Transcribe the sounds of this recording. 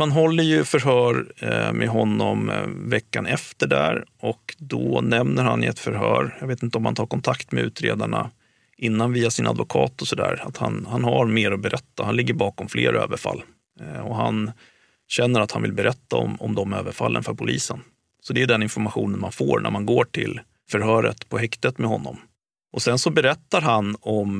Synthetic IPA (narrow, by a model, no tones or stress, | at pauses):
hanɦɔlːəɾjɵfœɾɦœːɾmʔɛɦɔnːɔmvɛkːanɛft̪əɖæɾɔkd̪ɔnɛmnəɾhanɪɛt̪fœɾɦœ̰ːɾjɑːɡveːt̪ɪnt̪əɔmhant̪ʰɑːɾkʰɔnt̪ʰakt̪mɛʉ̟ːt̪ɾeːd̪aɳa | ʔɪnːanviːasɪnʔad̪vʊkʰɑːt̪ɔsɔd̪æːɾat̪hanhanɦaɾmeːɾɔbɛɾʔɛt̪ːahanlɪɡːəɾbɑːkɔmfleːɾø̰ːvəɾfalː | ɔɦan | ɕɛnːəɾat̪hanvɪlbɛɾɛt̪ːaɔmɔmd̪ɔmøːvəɾfalːənfœɾpʰʊlʔiːsən | sɔd̪ɛʉɖ̪ɛnɪnfɔɾmaɧuːnənmanfoːɾɳʔæ̰ɾmanɡoːʈʰɪl | fœɾhœːɾət̪pʰɔɦɛkt̪ət̪mɛhɦɔnːɔm | ʔɔsɛnsɔbɛɾɛt̪ːaɾɦanɔm